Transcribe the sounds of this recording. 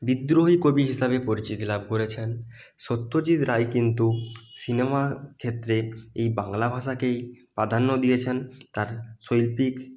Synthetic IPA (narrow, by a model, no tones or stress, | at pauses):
bid̪ɾoɦikobiɦisabepoɾit͡ɕit̪ilabʱkoɾet͡ɕʰen | ʃot̪ːod͡ʑid̪ɾajkint̪̬usinemakʰet̪ːɾeejbaŋlabʱaʃakejpɾad̪ʱanːod̪ijet͡ɕʰent̪aɾsojlpik